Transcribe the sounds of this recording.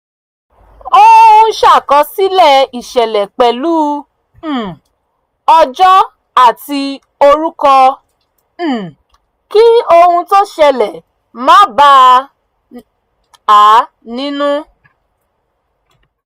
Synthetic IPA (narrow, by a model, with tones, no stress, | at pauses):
o˦hũ˦˧ʃa˦˨kɔ˧˦si˦lɛ˦˨i˨ʃɛ˨lɛ˨k͡pɛ˨lu˦˨ | ɔ˧d͡ʒɔ˦ | a˦˨ti˧ | o˧ɾu˦kɔ˧˦˨ | ki˦o˧hũ˧to˦ʃɛ˧lɛ˨ | mãː˦ba˦ | a˨˦ | nĩ˦nũ˦